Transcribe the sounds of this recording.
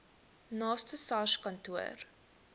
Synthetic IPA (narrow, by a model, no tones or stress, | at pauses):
nɑːstəsɑʃkɐntuə̰r